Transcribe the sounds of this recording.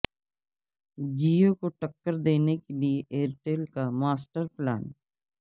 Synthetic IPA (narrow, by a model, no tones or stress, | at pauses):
d͡ʒiːokoʈəkːəɾd̪eːnekelieʔeːɾʈeːlkamaːsʈəɾpla̰ːn